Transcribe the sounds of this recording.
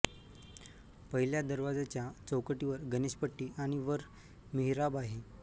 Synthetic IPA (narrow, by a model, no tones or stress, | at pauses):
pəɦiljad̪əɾʋad͡zat͡ɕjat͡səwkəʈiʋəɾɡəniɕpəʈːiːaɽ̃iʋəɾ | miɦiɾabaɦe